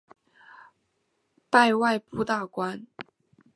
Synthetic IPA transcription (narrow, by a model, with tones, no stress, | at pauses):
pa˥˧ɪwa˥˧ɪpu˥˧t̪a˥˩kwa˥n